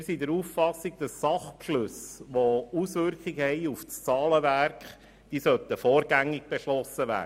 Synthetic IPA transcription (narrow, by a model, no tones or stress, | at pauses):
sidɛɾuːffɑsiɡ̚d̥̪ɑsːɑχpʃløsʋousʋʏɾkχɪɡəhɛɪufst͡sɑːləʋærkχ | d̥iːsœt̪əfɔːɾɡæŋːɪɡ̚b̥eʃlɔsəʋæ̰ː